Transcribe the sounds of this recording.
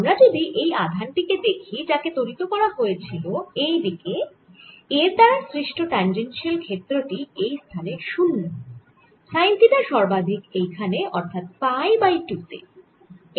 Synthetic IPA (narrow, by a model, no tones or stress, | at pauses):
amɾad͡ʑod̪iʔejad̪ʱanʈiked̪ekʰid͡ʑaket̪oɾit̪okɔɾaɦojet͡ɕʰiloejd̪ike | eɾt̪aɾasɾiʃʈoʈand͡ʑenʃelkʰet̪ːɾoʈiejst̪ʰaneʃunːo | ʃajnt̪id̪aɾʃɔɾbad̪ʱikejkʰaneʔɔɾt̪ʰat̪̚pajbajʈut̪ḛ